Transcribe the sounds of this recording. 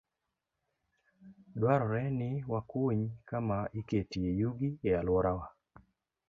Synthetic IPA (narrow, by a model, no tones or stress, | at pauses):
dwaɾɔɾɛnɪwakuɲkamaiketiejuɡiealwɔɾawa